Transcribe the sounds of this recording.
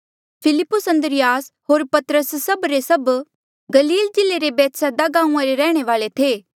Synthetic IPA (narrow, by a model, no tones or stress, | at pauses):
pʰɪlɪpːʊsɐ̃nd̪əɾɪjaːsɦoːɾpɐt̪ɾəsːɐbɾesɐb | ɡɐliːld͡ʒɪlːeɾebɛːt̪sad̪aɡãːũãɾeɾɛːɽ̃eʋaːlet̪ʰeː